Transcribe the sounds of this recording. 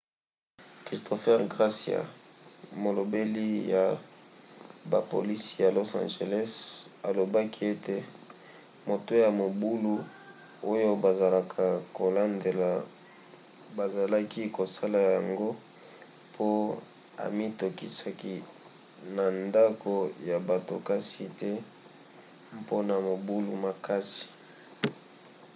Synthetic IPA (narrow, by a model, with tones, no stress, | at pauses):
kʁi˨stʰo˨fɛ˦ʁɡʁa˦si˨a̰˨ | mo˨lo˨be˦li˦ja˨ | ba̰˨po̰˨li˦si˦ja˨lo˦sã̰˨nʒe˨lɛ˦sa˨lo˨ba˦ki˦e˦te˦ | mo˨to˦ja˨mo˨bu˦lu˦ | o˦jo˦ba˨za˨la˨kʰa˨ko˨la˦nde˨la˨ | ba˨za˨la˦ki˦ko˨sa˦la˨ja˨ŋɡo˦ | pʰo˦ | a̰˨mi˦to˨ki˨sa˨ki˦ | na˨nda˦ko˦ja˨ba˨to̰˨ka˦si˨te˦ | mpo˦na˨mo˨bu˦lu˦ma˨ka˦si̥˨